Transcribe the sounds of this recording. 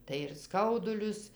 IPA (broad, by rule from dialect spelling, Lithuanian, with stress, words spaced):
tɐɪ ɪr ˈskɐʊdʊlʲʊs